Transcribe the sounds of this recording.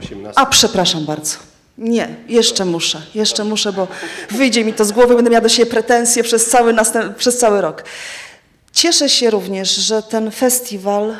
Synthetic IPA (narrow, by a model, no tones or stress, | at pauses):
apʂɛpɾaʂambaɾd̪zɔ̥ | ɲɛjɛʂt͡ʂɛmuʂɛjɛʂt͡ʂɛmuʂɛbɔvɘjd͡ʑɛmʲit̪ɔzɡwɔvɨbɛnd̪ɛmjawad̪ɔɕebʲjɛpɾɛt̪ɛ̃ñsʲjɛpʂɛst̪sawɘnast̪ɛmpʂɛst̪sawɘɾɔk | t͡ɕɛʂɛɕɛɾuvɲɛʐʐɛt̪ɛnfɛst̪ʲival